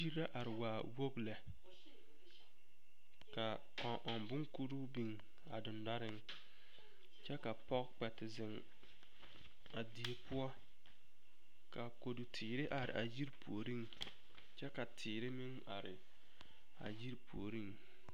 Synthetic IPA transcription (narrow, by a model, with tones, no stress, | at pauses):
i˦ɾa˦ʔa˨ɾɪ˨waː˨wo˦ɡlɛ˨ | ka˨ | kɔ˨ʔɔ˨nbʊ˦ŋku˦ɾu˦bi˨ŋ | a˨dʊ˨nda˦ɾɪ˦ŋ | t͡ʃɛ˦ka˨pɔ˦kk͡pɛ˨tɪ˨zɪ˨ŋ | a˨di˨e˨pʊ˦ɔ˦ | ka˨ko˨du˨tʰiː˨ɾɪ˦ʔa˨ɾɪ̰˨ʔa˨ji˦ɾpʰu˨o˨ɾi˦ŋ | t͡ʃɛ˦ka˨tʰɪː˨ɾɪ˦mɪ˦ŋa˨ɾɪ̰˨ | a̰˨ji˦ɾpʰṵ˨o˨ɾi˦ŋ